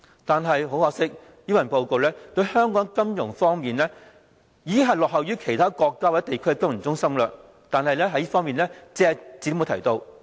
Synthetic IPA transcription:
t̪aː˨nɦɐ˨jɦo˨˥whɔː˧˥ksɪ˥k̚ | jiː˥˩wɐ˨˩npo˧wko˨˧wlɛː˥t̪ɵ˧ɥhœː˥ŋkɔː˨˥ŋkɐ˥mjʊ˨˩ŋfɔː˥ŋmiː˨nlɛː˥ | jiː˨˥ɦɐ˨jlɔː˨k̚hɐ˨wjyː˥kʰe˨˩jt̪ʰaː˥kɔː˧kːaː˥wːɛ˦˥t̪e˨jkʰɵ˥˧kɐ˥m̩˨˩t͡sʊ˥ŋsɐ˥mlɐ˧ | t̪aː˨nɦɐ˨jlɛː˥ɦɐ˨˥jiː˥fɔː˥ŋmiː˨nlɛː˥t͡sɛː˧˨t͡siː˨˥o˥m˨˧t̪ʰɐ̰˨˩jt̪o˧w

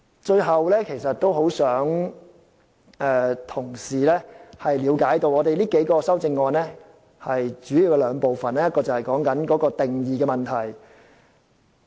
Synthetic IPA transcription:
t͡ʃɵ˧ɥɦɐ˨wlɛː˥kʰe˨˩jsɐ˨t̚t̪o˥wɦo˨˥wsœː˨˥ŋ | ɛː˧t̪ʰʊ˨˩ŋsiː˨˩lɛː˥hɐ˨jliː˨˧˥wkaː˨˥jt̪o˧wɔː˨˧t̪e˨jliː˥ke˨˥jkɔː˧sɐ˥wt͡sɪ˧ŋːɔː˧nlɛː˥ | hɐ˨jt͡ʃyː˨˥ji˨˧wkɛ˧lœː˨˧ŋpo˨wfɐ˨nɛː˥jɐ˥t̚kɔː˧t͡sɐ˨whɛ˨jkɔː˨˥ŋkɐ˨˥nkɔː˨˥kɔː˧t̪ɪ˨ŋjiː˨kɛː˧mɐ˨nt̪ʰɐ˨˩j

